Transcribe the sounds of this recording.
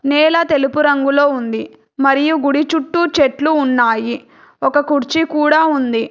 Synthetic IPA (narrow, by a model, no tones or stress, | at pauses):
nɛːlɐt̪e̞lipuɾɐŋɡulo̞ːund̪i | mɐɾijuɡuɽit͡ʃuʈːut͡ʃeʈluːnːaːji | ɔkɐkuɾt͡ʃikuːɽaːund̪i